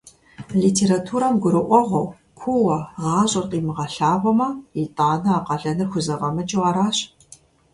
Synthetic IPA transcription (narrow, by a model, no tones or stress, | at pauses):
liːtʰeːɾatʰuːɾɐmɡʷʊɾɨʔʷɔʁʷɐw | kʷʰuwɐʁɑːɕʼɐrtʼiːmɨʁɐɬaːʁʷɔmɐitʼaːnɐaqɐɮɐnɨrxʷʊzɐʁɐmɨt͡ʃʼɪwʁaːɾaːɕ